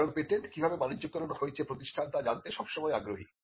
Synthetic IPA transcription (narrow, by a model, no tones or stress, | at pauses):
ɾoɡpeʈeɳʈkibʱabemanid͡ʑd͡ʑok̚t̪oɾonohoet͡ɕʰepɾot̪iʃʈʰant̪ad͡ʑant̪eʃɔbʃɔmɔeaɡɾoɦi